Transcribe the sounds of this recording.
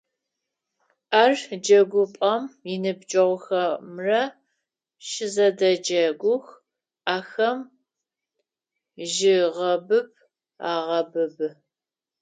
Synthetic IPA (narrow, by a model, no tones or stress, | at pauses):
aːrd͡ʒɐɡʷʊpʼɐmjɪnɨbd͡ʒʼɐʁʷʊxɐmrɐ | ʃɪzɐdɐd͡ʒɐɡʷʊx | aːxɐm | ʒɪʁɐbɨb̚ | aːʁɐbɨbɨ